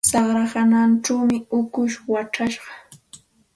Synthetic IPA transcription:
sɑχɾaɢananʈ͡ʂawmɪʊkʊʃwaʈ͡ʂaʃɢɑ̥

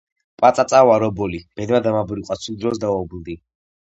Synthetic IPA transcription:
pʼat̪ʼat̪sʼawaɾɔbɔlib̥ɛd̪mad̪amabuɾiqʼwat̪sʰud̪ɾɔs̬d̪aɔbld̪i

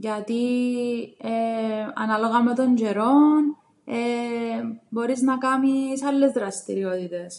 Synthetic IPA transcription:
ʝat̪i | eɐ̰nɐlo̞ɣɐmet̪o̞nɟe̞ɾo̞n | e | bo̞ɾisnɐkɐmisɐlːezðɾɐst̪iɾiot̪it̪e̞s

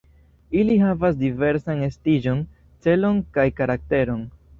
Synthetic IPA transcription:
iliɦavas̬dive̞ɾsane̞stid͡ʒo̞n | t͡se̞lo̞nkajkaɾak̚te̞ɾo̞n

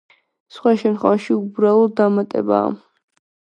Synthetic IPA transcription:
sχwaʃɛnt̪χwɛvaʃiubɾaulˠd̪amat̪ʼɛ̰ba̰ː

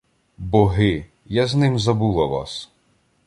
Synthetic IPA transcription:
bɔɦɪ | jaznɪmzɐbulˠɐʋɑ̰s

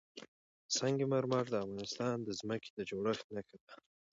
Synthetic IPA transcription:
sɑŋɡemaɾmɑɾd̪əafɣɑnɪst̪ɑnd̪əzməke̥d̪əd͡ʒoɽəxt̪nakad̪a

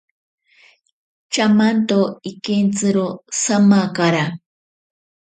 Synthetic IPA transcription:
t͡ʃamant̪oikent͡sɨɾosamakaɾa

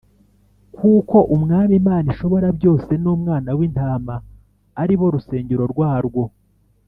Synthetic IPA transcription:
kuːko̞ʔumŋaːmimaːniʃo̞βo̞ɾabɟo̞ːse̞nuːmŋaːnawintaːmaː | ɾiβo̞ɾuse̞ːɲɟeɾo̞ɾɡwaːɾɡwo̞

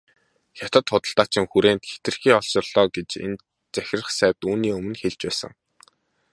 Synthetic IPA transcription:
xʲjat̪ə̆t̪χʊt̪ə̆ɬt̪aːt͡ɕʰɪ̆ŋxuɾeːnt̪xe̥t̪ɘ̆rxiːɔɮt͡ɕɔ̆rɮ̥ɔːɡet͡ɕḛn | t͡sæxʲɪ̆rə̆χsæːwʲt̪uːniːɵmɵ̆nxeɮt͡ɕpæːsə̰̆ŋ

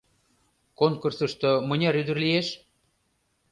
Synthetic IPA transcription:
koŋkursə̆ʃt̪omɤ̆nʲɑɾyd̪ə̆rlijeʃ

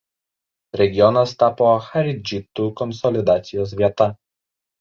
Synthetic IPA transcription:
ɾʲɛɡʲɪjɔnɐst̪ɑːpoxɐɾʲɪd͡ʒʲɪt̪uːkɔnsɔlʲɪd̪ɑːt̪sʲɪjoːsʋʲiɛt̪ɐ

